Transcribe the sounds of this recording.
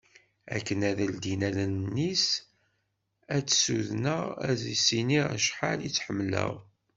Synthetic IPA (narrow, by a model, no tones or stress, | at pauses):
æ̰kːənæðæld̪inælənnːis | æt͡sːsuðnəʁæðisiniʁæʃħaljit͡sːħəmːlə̰ʁ